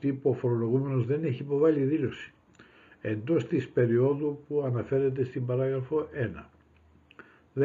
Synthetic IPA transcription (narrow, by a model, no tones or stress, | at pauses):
t̪ipuofoɾo̞lo̞ɣume̞no̞zðe̞neçiːpo̞vɐliðilo̞si̥ | e̞nd̪o̞st̪ispe̞ɾio̞ðupuɐnɐfe̞ɾe̞t̪̬e̞st̪imbɐɾɐɣɾɐfo̞ʔe̞nɐ | ð